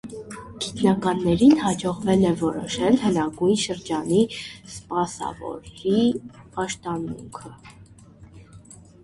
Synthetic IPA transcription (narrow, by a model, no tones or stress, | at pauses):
ɡ̥it̪nɑkɑnːɛɾinɦɑd͡ʒɔʁvɛlɛvɔɾɔʃɛlhənɑɡuj̪ʃəɾd͡ʒɑnispɑsɑ̰vɔ̰ɾipɑʃt̪ɑnṵŋkʰə